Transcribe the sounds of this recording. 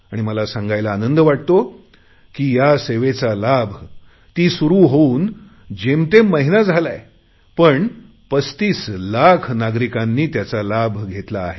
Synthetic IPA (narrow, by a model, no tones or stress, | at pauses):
aɽ̃iməlasãŋɡajlaːnənd̪əʋaʈ̚t̪o | kiːjaseʋet͡salabʱ | t̪iːsuɾuːɦouːn | d͡ʑemt̪ẽməɦinad͡zʱalaj | pəɳ | pəst̪iːslakʰnaɡɾikãnːiːt̪jat͡salabʱɡʱet̪laːɦe